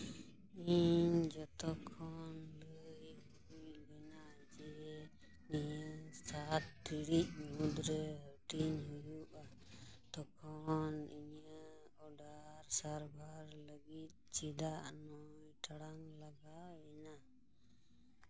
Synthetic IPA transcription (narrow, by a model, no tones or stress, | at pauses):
iɲd͡ʒɔt̪ɔkʰːɔnləjhuubɛna | d͡ʒiɾɛ | nijəsat̪̚t̪iɽic̚ɲud̪ɾɛɦəʈiɲɦujuʔa | t̪ɔkʰɔniɲə | ɔɖaɾsaɾbʱaɾləɡit̪̚t͡ʃid̪aʔnɔjʈaɽaŋlaɡaɛna